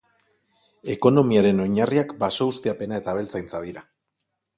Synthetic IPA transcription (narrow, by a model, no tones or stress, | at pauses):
e̞ko̞no̞miaɾe̞no̞ɲariakbaso̞ust̪iape̞naet̪aβ̞e̞lt͡sajnt͡saðiɾa